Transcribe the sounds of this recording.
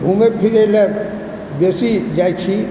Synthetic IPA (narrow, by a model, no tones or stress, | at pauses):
umepʰiɾelɛ | besid͡ʒajt͡ʃʰi